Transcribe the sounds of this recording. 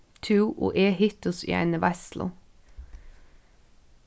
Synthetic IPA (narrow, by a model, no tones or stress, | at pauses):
t̪ʰʉːʔo̰ːʔeːhɪt̪ʊsɪ̰æ̰nəʋæslʊ̰